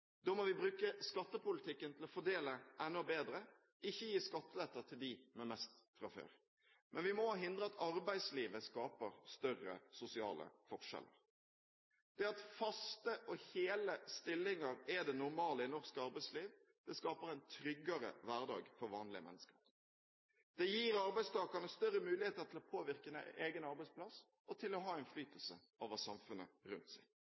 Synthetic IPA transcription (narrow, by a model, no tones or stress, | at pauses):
d̪ɔmɔʋɪbɾʉːkəskɑt̪ːəpʊlɪt̪ʰɪkːənt̪ʰɪlɔfɔɖ̪eːləʔɛnːɔbeːd̪ɾə | ɪçːəjiːskɑt̪ːəlɛt̪ːət̪ʰɪld̪imɛmɛst̪fɾɑfø̰ːɾ | mʔɛnʋɪmɔɦɪnd̪ɾəɑt̪ʰɑɾbæɪsliːʋəskɑːpəɾst̪œrə̰sʊsɪɑ̰ːlə̰fɔʁʂɛ̰lə̰ɾ | d̪̥ɛɑt̪fɑst̪əʔɔheːləst̪ɪlːɪŋɑɾɛd̪ɛnʊɾmɑːləɪnɔʁskəɑʁbæɪsliːʋ | d̪̥ɛskɑːpəɾæɪnt̪ʰɾʏɡːɑɾə̰ʋæʁd̪ɑ̰ːɡfɔɾʋɑːnlɪəmɛ̰nːəskəɾ | d̪̥ɛjiːɾɑɾbæɪst̪ʰɑːkɑnəst̪œɾːəmʉːlɪheːt̪əɾt̪ʰɪlɔpʰoːʋɪʁkən̰ʔeːɡənɑɾbæɪtspʰlɑs | ɔt̪ʰɪlɔɦɑːɪnflyːt̪əlsə | oːʋəsɑmfʉnə̰ɾʉnt̪sæɪ